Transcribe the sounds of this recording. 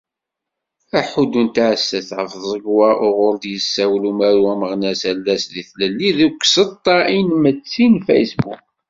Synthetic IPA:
æħud̪unt̪ʕəsːæθʕəfðˤəɡwæʔʊʁʊɾd̪jəsːæwlumæɾuæməʁnæsælːæsðiθləlːiðukːsət̪ˤːɑinmət͡sːinfḛjsbṵk̚

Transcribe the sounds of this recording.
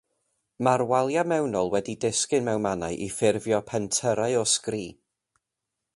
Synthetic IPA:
marwalˠjamɛwnɔlˠwɛdidɪskɪnmɛwnmanaɨʔifɪrvjɔpʰɛntʰəɾaɨɔskriː

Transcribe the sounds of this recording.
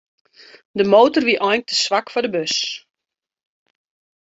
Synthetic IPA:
dəmoːtərʋiʔɔjntəsʋakfɔdəbøs

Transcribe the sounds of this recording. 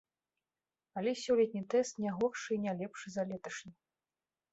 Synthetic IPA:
alʲɛsʲɔlʲɛt̪ʲnʲit̪ɛst̪nʲaɣɔrʂɨinʲalʲɛpʂɨzalʲɛt̪ɐʂnʲi

